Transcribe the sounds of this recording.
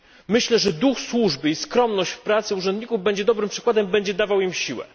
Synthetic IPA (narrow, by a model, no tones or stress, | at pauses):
mɘɕlɛʐɛd̪uxswuʐbɘiskɾɔmnɔɕt͡ɕfpɾat̪sɘuʐɛnd̪ɲikuvbɛɲd͡ʑɛd̪ɔbɾɘmpʂɘkwad̪ɛmbɛɲd͡ʑɛd̪avawimɕiwɛ̰